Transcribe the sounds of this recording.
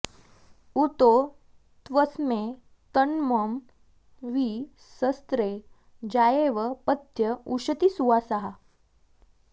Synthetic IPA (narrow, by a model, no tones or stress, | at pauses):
ut̪o | t̪ʋəsme | t̪ənməm | ʋi | səst̪ɾe | d͡ʑajeʋəpət̪jəuɕət̪isuʋasaɦa